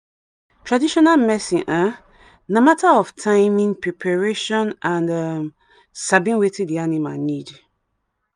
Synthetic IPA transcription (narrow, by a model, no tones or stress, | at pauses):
tʰɹadiʃɔnalmɛsĩʔa | namatʰaɔftʰãɪmĩŋpʰɹipʰaɹeʃɔ̃nãndam | sabĩnwetĩdianima̰nid